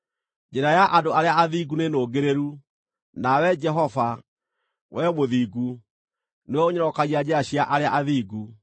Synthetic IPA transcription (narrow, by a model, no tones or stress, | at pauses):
d͡ʒɛɾajaʔadoaɾeaaðiɡunenoɡeɾeɾu | nawɛd͡ʒɛɦɔva | wɛmoðiːɡu | newɔoɲɔɾɔkaɣiad͡ʑɛaɕiaʔaɾeaʔaðiːɡu